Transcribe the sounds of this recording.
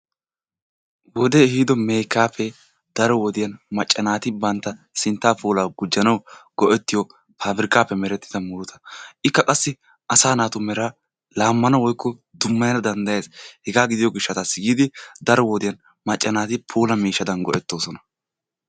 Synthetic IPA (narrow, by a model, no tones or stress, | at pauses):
wɔd̪eɛhiːd̪ɔmɛjkːaːpːɛ | d̪̥ɐɾɔwɔd̪ɪjɐnmɐt͡ʃʼːɐnaːt̪ɪbɐnt̪ːɐ | sɪnt̪ːaːpuːlaːɡʊd͡ʒːɐnɐwɡ̥ɔʔɛt̪ːɪjɔ | pʰaːbɪɾɪkaːpːɛmɛɾɛt̪ːɪ̥d̪ɐmʊɾʊt̪ʰɐ̥ʔɪkːɐkʼɐsːɪ | ɐsaːnaːt̪ʊmɛɾɐ | laːmːɐnɐwɔjkʰːɔd̪ʊmːɐjɐnɐd̪ɐnd̪ɐje̞ːshɛɡaːɡɪd̪ɪjɔɡɪʃːɐt̪asɪɡiːd̪ɪd̪ɐɾɔwɔd̪ɪjɐn | mɐt͡ʃʼːɐnaːt̪ɪpʰuːlɐmiːʃːɐd̪ɐnɡɔʔɛt̪ːo̞ːsɔnɐ̥